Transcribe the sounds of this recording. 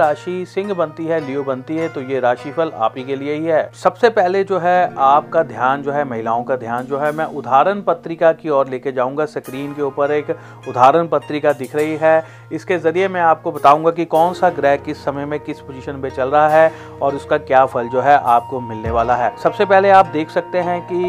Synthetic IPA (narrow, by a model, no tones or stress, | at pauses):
ɾaːʃisɪ̃ŋɡbɐ̃nt̪iɦɛliobɐ̃nt̪iɦɛt̪ojeɾaːʃipʰɐla̰ːpikelieɦiɦɛːsɐbsepɛɦled͡ʒoːɦɛaːp̚kad̪ʱjaːnd͡ʒoːɦɛmɐɦɪlaːõkad̪ʱjaːnd͡ʒoːɦɛmɛ̃ʔʊd̪ʱaːɾənpɐt̪ːɾɪkakiɔːɾleːked͡ʒaːũːŋɡasɐkɾiːmkeuːpəɾeːk | ʊd̪ʱaːɾənpɐt̪ɾɪkad̪ɪkʰɾɐɦiɦɛ | ɪskezɐɾiemɛ̃aːp̚kobɐt̪aːũːŋɡak̬ikɔːnsaɡɾɛːkɪsːɐməjmẽkɪspozɪʃənpẽt͡ʃɐlɾɐɦaɦɛ | ɔːɾʊskakjaːfʰɐld͡ʒoːɦɛʔaːp̚komɪlneʋaːlaɦɛːsɐbsepɛɦleaːp̚d̪eːkʰsɐk̚t̪eɦɛ̃ki